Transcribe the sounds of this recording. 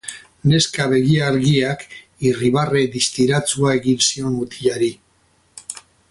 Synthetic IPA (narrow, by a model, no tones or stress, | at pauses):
ne̞skaβe̞ɣiaɾɣiak | iriβare̞d̪ist̪iɾat͡suae̞ɣinsio̞nut̪iʎaɾi